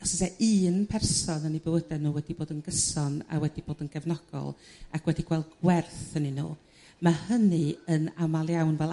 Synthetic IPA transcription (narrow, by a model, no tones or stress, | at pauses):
ɔsəsɛʔɨːnpʰɛrsɔnənibəwədɛnuːwɛdiboːdənɡəsɔna̰wɛdib̥oːdənɡ̥ɛvnɔɡ̥ɔ̰lˠ | akʰwɛdiɡ̥wɛlˠdɡwɛrθəninṵː | mahənɨənamalˠjawnvɛlˠ